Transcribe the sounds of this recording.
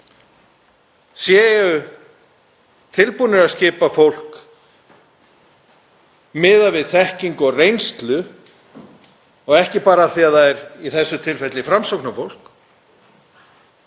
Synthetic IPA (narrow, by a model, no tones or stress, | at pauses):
sjɛːjʏ | t̪ʰɪlpunɪɾaðscɪːpafowl̥k | mɪːðavɪðθɛhciŋkɔɣrejnst̪lʏ | ɔɣɛhcɪpaːɾaːθiaðθaɛɾiθɛsːʏt̪ʰɪlfɛt̪lɪfɾamsowknafowl̥k